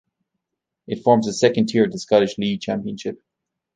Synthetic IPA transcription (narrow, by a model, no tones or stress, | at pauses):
ɪtfɔːɹmzəsɛkə̃ntʰɪɹəskɑɾɨʃliɡ̚t͡ʃʰæ̃mpiə̃nʃɪp̚